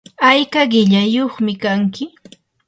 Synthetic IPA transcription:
ajkaɢɪʎajoχmɪkaŋkɪ

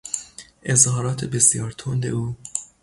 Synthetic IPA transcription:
ʔezhɒːɾɒːt̪ʰebesjɒːɾt̪ʰond̪ḛuː

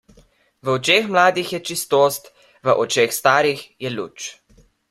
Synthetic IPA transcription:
ʋəɔt͡ʃeːxmlaːd̪ixjɛt͡ʃist̪oːst̪ | ʋəʔɔt͡ʃeːxst̪aːɾixjɛlṵːt͡ʃ

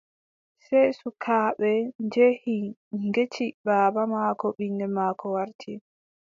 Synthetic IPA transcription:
sɛjsukʰaːɓɛnd͡ʒehiŋɡet͡ʃibaːbamakɔɓiŋɡɛmaːkʰɔwaɾtʰi

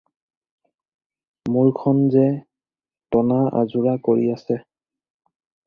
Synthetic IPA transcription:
muɹkʰɔnzɛ | tɔnaʔa̰zuɹakoɹiasɛ

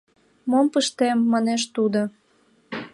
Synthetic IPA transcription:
mompəʃt̪emːɑneʃt̪ud̪o

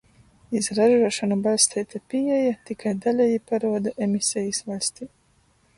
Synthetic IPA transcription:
izɾaʒuɔʃanubalʲsʲt̪ɛjt̪ʲapiɛjat̪ikajd̪alʲɛjipaɾuɔd̪aʔemisʲɛjisvalʲsʲt̪iː

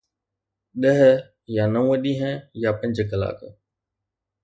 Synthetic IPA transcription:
ɗəɦə | jaːnə̃əɗiːɦɛ̃jaːpɐ̃ɲd͡ʒəkəla̰ːkə

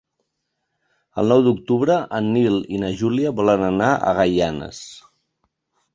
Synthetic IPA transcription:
ə̰lˠnɔwd̪uk̚t̪uβɾəʔənːilinəʒuliəβɔlənənaə̰ɣajanə̰s

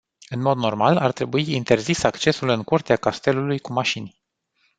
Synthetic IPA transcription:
ɨnmo̞d̪no̞rmalart̪ɾe̞buiint̪e̞rzisakt͡ʃe̞sulɨŋkurt̪eakast̪e̞lulujkumaʃinʲ

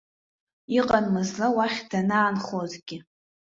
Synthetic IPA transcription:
iqʼanmɨzlawaχʲdanaːnχozɡʲɪ

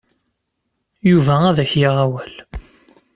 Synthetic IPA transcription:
juvææðæçjɪʁæwæl

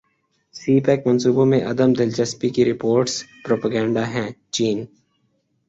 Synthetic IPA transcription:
siːpɛːkmɐ̃nsuːbõmẽʔɐd̪əmd̪ɪlt͡ʃəspikiɾɪpoːɾʈspɾoːpəɡɛ̃ːɳɖaɦɛ̃ːt͡ʃiːn

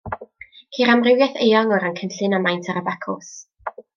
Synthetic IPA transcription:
kʰiːɾamrɪwjɛθejɔŋɔɾankʰənɬɨnamajntʰaɾəbɛkʰɔs

